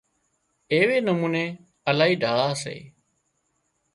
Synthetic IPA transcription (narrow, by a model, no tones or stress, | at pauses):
eːʋeːnəmuːneː | əlaːɦiːɖʱaːɭaːsḛː